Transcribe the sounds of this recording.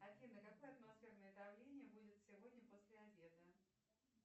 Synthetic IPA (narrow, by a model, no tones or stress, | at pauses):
ɐt̪ʲlʲinəkɐko̞jəɐt̪mɐsfʲernəjəd̪ɐvlʲenʲɪjəbudʲɪt̪sʲɪvod̪ʲnʲəposʲlʲɪɐbʲe̞d̪ə